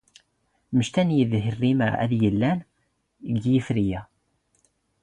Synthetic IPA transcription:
məʃt̪ænjiðɦərːimæ̰ðjəlːæn | əɡːjifɾijæ

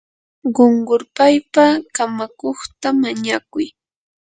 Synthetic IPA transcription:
ɢoɴɢʊɾpajpakamakoχt̪amaɲakʊj

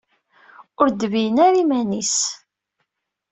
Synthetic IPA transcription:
ʊɾd̪vijənaɾimænis

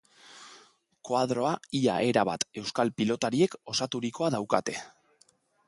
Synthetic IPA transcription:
koað̞ɾo̞aia̰ʔe̞ɾaβa̰t̪e̞wskalpilo̞t̪aɾie̞ko̞sat̪uɾiko̞aðawkat̪e̞

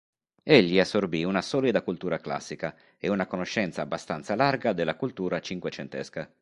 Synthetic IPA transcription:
eʎːiasːorbiunasɔːlid̪akult̪uːɾakla̰sːika | eunakonoʃːɛnt̪saːbːast̪ant̪salarɡad̪elːakult̪uːɾat͡ʃiŋkwet͡ʃent̪ɛska

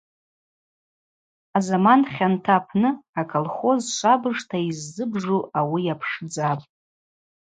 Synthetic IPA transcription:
azamanχʲantʰapʰnɨakʰolχo̞zʃʷabɨʐtʰaizːɨbʐuʔawijapʰʂd͡zapʼ

